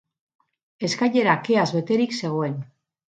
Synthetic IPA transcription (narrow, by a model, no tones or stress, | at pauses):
e̞skaʎe̞ɾake̞azβe̞t̪e̞ɾikse̞ɣ̞oe̞n